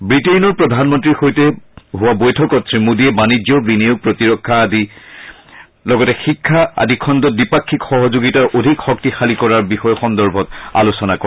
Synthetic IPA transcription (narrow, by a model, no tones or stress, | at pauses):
bɹitenɔɹpɹɔdʱanmɔntɹixojtɛɦʊwabojtʰɔkɔt̚ːɹimudiɛbanid͡ʒɔbinijuɡ̚pɹotiɹɔkʰːaːdi | lɔɡɔtɛxikʰːaa̰dikʰɔndɔt̚dipakʰːikxɔɦɔzuɡitaɹʔodʱikxɔk̚tixalikɔɹaɹbixɔjɔxɔndɔɹbʱɔta̰lusɔnakɔɛ